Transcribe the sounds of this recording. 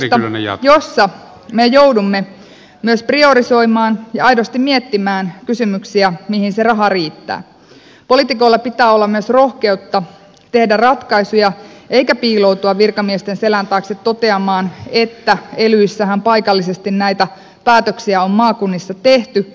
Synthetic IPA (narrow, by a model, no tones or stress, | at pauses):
josːɑ | mejowdumːe | myøsprio̞ɾiso̞imɑːnjɑɑjdost̪immiet̪ːimæːnkysymyksiæmihinserɑɦɑriːt̪ːæ̰ː | po̞lit̪iko̞ilːɑpit̪æːolːɑmyøsro̞hke̞ut̪ːɑ | t̪e̞hdærɑt̪kɑisujɑʔe̞ijkæpiːlo̞wt̪uɑʋʋirkɑmiest̪enselænt̪ɑːkset̪to̞t̪e̞ɑmɑːnet̪ːæelyisːæɦæmpɑjkɑlːisest̪innæjt̪æ | pæːt̪øksiæommɑːkunːisːɑt̪e̞ht̪y